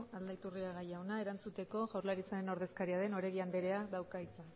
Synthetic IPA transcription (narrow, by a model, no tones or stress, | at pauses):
ald̪ait̪uriaɣajawnae̞ɾant͡sut̪e̞ko̞ʝawɾlaɾit͡saɾe̞no̞ɾð̞e̞skaɾiaðe̞no̞ɾeɣiand̪e̞ɾe̞aðawkajt͡sa